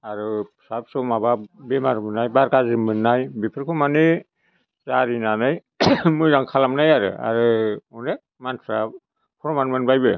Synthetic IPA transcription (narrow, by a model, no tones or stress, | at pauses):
aɾɯsap̚sɔmababemaɾmɯnːajbaɾkazɯmɯnːajbipʰɯɾkʰɯmanɯ | z̥aɾinanɯj | mɯjɾaŋkʰalamnajaɾɯ̰a̰ɾɯɔnɾe | manpʰɾa | pʰɔɾmanmɯnbajbɯ